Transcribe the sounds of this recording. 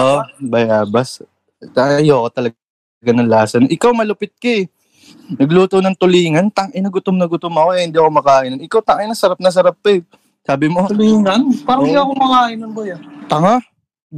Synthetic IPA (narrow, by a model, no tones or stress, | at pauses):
ʔobɐjaːbɐs | ɐʔɐjoːkot̪ɐlɐ | ɡanɐŋlaːsɐnʔɪkawmɐlʊpɪt̪̚kɐɛ | nɐɡluːt̪ownɐŋt̪ʊliːŋɐnt̪ɐŋʔɪnɐɡʊt̪omnɐɡʊt̪omɐkohɪnd̪iɐko̞mɐkaːʔɪnɐnɪkawt̪ɐŋʔɪnɐsɐɾap̚nɐs̬ɐɾap̚ːɐ | saːbɪmo̞liːŋɐnpaːɾɐŋɪd̪iɐkomɐkaːʔɪnɐnbojat̪ɐŋa